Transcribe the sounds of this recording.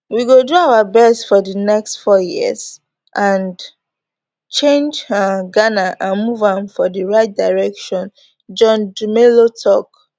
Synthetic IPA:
wiɡoduaʊwabɛstfɔdənɛkstfɔjḭz | ʔãn | t͡ʃẽnd͡ʒaɡanaʔãnmuvãmfɔdəɹaɪt̚daɹɛkʃɔ̃n | d͡ʒɔ̃ndumelotʰɔk̚

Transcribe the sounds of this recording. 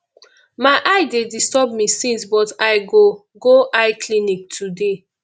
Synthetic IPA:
maɪʔaɪdedistɔb̚misĩnsbɔtaɪɡo | ɡoʔaɪkʰlĩnik̚tʰude

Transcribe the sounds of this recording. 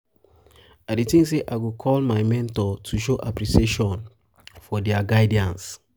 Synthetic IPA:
adetĩŋseʔaɡokʰɔlmajmɛ̃ntɔtʰuʃoʔapɹiseʃɔ̃n | fɔdɛaɡaɪdiãns

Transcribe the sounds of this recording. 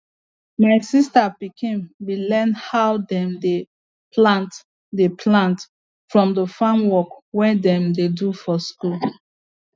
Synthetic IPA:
maɪsistapikʰĩmwilɛ̃nhawdɛ̃mde | plãnt | depʰlãnt | fɹɔ̃mdəfãmwɔkwɛdɛ̃mdedufɔskul

